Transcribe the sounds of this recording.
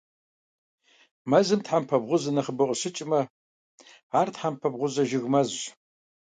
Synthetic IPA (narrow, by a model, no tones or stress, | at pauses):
mɐzɨmtħampʰɐbʁʷʊzɐnɐχəbɨqʷʼʂɪt͡ʃʼmɐ | aːrtħampʰɐbʁʷʊzɐʒɪɣmɐzː